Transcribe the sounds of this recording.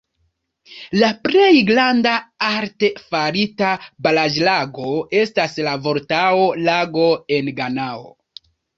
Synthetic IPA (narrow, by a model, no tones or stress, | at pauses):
lapɾe̞jɡlandaaɾtefaɾitabalad͡ʒlaɡo̞e̞staslavo̞ɾtaolaɡo̞e̞nɡanao̰